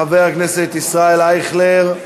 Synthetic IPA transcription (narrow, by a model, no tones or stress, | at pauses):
aveaknɛset̪isʁaelajχleʁ